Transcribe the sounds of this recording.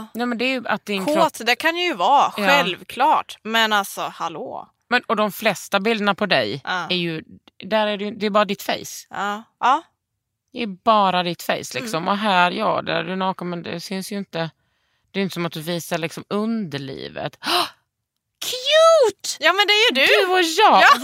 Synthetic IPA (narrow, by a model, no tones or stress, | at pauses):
nɛːmɛnd̪ɛːɾjɵa̰t̪̚d̪ɪnkt̪d̪ɛkʰand̪əjɵvɑːɧɛlvkʰlɑːʈmɛnalsɔhalo̰ː | mɛnɔd̪ɔmflɛst̪abɪld̪ənapʰɔd̪ɛjæɾjɵ | d̪æɾæɖɪjd̪ɛːɾbɑːɾad̪ɪt̪fɛ̰js | ɑː | d̪̥ɛæbɑːɾad̪ɪt̪fɛ̰jslɪksɔmɔɦæːɾjɑ̰ːd̪æ̰dʉnɑːkamɛnd̪ɛ̰sʏnsjɵɪnt̪ə | d̪ɛjʏnt̪ə̥sɔmat̪̚d̪ɵviːsaɭɪksɔmɵnd̪əɭḭːvə̰t̪ | kʰjʉːt̪jɑːmɛnd̪ɛæjd̪d̪ɵɔjɑː